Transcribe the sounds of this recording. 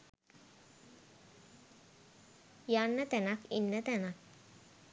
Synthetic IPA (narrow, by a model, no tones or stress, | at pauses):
janːət̪ɛnakinːət̪ɛnak̚